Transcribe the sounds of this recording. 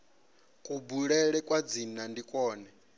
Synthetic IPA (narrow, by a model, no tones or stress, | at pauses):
kʼubuɺɛɺɛkʼwad͡zinandikʼɔːnɛ